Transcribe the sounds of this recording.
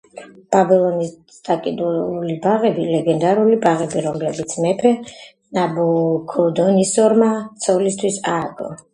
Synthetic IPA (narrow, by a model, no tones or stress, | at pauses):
b̥abɛlˠɔnis | d̪akʼid̪ulibaʁɛbilɛɡɛnd̪aɾulibaʁɛbiɾɔmlɛbit̪sʰmɛpʰɛ | nabukʰɔd̪ɔnisɔɾmat̪sʰɔlist̪ʰwisaːɡɔ̰